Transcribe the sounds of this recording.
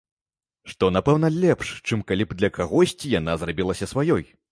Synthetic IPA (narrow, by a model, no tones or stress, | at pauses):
ʂt̪ɔnapɛwnɐlʲɛpʂt͡ʂɨmkalʲibd̪lʲɐkaɣɔsʲt͡sʲijanazrabʲilˠɐsʲɐsvajɔj